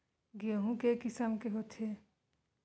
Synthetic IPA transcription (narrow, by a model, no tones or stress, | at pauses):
ɡioɦũkekisamkeɦot̪ʰe